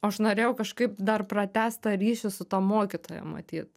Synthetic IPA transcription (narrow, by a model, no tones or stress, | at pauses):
oːɐʃnoːɾʲeːjɛʊkɐʃkɐɪpd̪ɐrprɐt̪ʲæːst̪ɐɾʲiːʃʲɪsʊt̪ɑmoːkʲɪt̪oːjɛ̰mɐ̰t̪ʲiːt̪